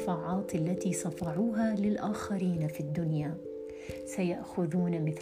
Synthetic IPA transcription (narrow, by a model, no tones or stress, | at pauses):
faːʕɑːt̪alːat̪iːsˤɑfɑʕuːɦalɪlʔaːxaɾiːnafid̪ːʊnja | sajaʔxʊðuːnamɪθ